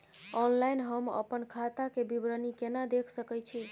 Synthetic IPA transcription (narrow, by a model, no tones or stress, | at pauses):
ɔnlajnɦəmə̰pənkʰat̪akebibɾənikenad̪ekʰsəkɛt͡ʃʰi